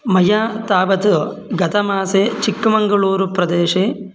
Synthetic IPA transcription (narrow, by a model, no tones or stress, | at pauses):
mɐjaːt̪aːʋɐt̪ɨ | ɡɐt̪ʰɐmaːset͡ʃikːɐmɐŋɡɐɭuːɾupɾɐd̪eːʂe